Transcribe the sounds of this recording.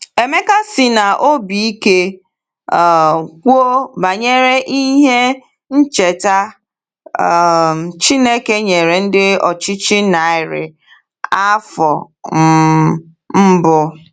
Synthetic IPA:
e˨me˦ka˦sɪ˨na˨ʔo˦bi˨i˦ke˦˨ | kʷu˦o˦ba˨ɲe˦ɾe˦ʔi˦ɦe˦ | n̩˦t͡ʃe˨ta˦˨ | t͡ʃi˦ne˦ke˦ɲe˨ɾe˨n̩˦dɪ˦ɔ̰˨t͡ʃɪ˦t͡ʃɪ˦na˨ɪ˨ɾɪ̰˨ | a˦fɔ˨ | m̩˨˦ | m̩˦bʊ˦

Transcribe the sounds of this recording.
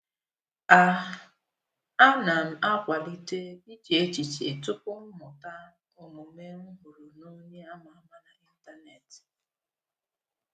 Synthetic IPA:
a˦˨ | a˦na˨m̩˨a˦kʷa˨li˦te˦bi˦d͡ʒe˨e˦t͡ʃi˨t͡ʃe˨tʊ˦pʊ˦m̩˦mʊ˨ta˦ | ʊ˨mʊ˨me˦m̩˦ɦʊ˨ɾo˨no˦ɲe˦a˦ma˨˦ma˨na˨i˦n̩˦ta˦ne˨t

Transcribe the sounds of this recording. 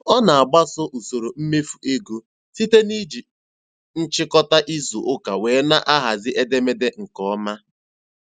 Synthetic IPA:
ɔ˦na˨a˨ɡ͡ba˦sʊ˦ʔu˨so˨ɾo˨m̩˦me˦fu̥˨ʔe˦ɡo˦ | si˦te˦ni˦d͡ʒi˨ | n̩˦t͡ʃɪ˦kɔ˦ta˦ʔi˦zu˨ʔʊ˦ka˨weː˨˦na˦ʔa˦ɦa˨zɪ˦ʔe˦de˦me˦de˦ŋ̩˨kɔ˦ma˦

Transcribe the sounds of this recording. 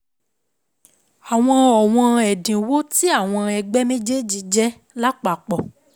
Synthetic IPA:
a˨w̃ɔ̃˧ɔ˨w̃ɔ̃˧ɛ˨dĩ˨wo˦ti˦a˦˨w̃ɔ̃˧ɛ˧ɡ͡bɛ˦mẽ˦d͡ʒe˦d͡ʒi˧˦d͡ʒɛ˦ | la˦k͡pa˨k͡pɔ˨

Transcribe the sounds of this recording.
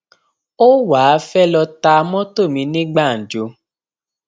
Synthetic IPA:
o˦wa˨˦fɛ˦lɔ˧ta˧mɔ̃˦to˦˨mĩ˧nĩ˦ɡ͡ba˦˨n̩˨d͡ʒo˨˦

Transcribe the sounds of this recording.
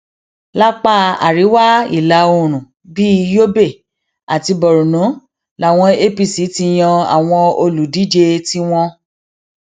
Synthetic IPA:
la˦k͡pa˦˨a̰˨ɾi˨˦wa˦ḭ˦˨la˨˧˦o˧ɾ̃ũ˨ | bi˦˧jo˦be˦˨ | a˨ti˧bɔ˨ɾu˨nũ˨˦ | la˨w̃ɔ̃˧e˦pi˦˧si˨˦ti˧j̃ɔ̃˧a̰˨w̃ɔ̃˧o˧lu˨di˨˦d͡ʒe˧ti˦w̃ɔ̃˧

